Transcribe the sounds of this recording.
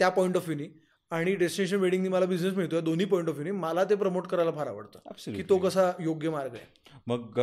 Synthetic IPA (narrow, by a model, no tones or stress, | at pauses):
t̪japɔjiɳʈɔfjuniː | aɽ̃iɖesʈineɕ̬ənʋeɽĩŋɡniːməlabid͡ʑnes̬miɭt̪ojad̪on̤iːpɔĩɳʈɔfjuniːməlat̪̬ep̬ɾəmoʈkəɾajlafaɾaʋə̰ɽt̪ə̰apskiːt̪okəsajoɡjəmaɾɡəjḛməɡ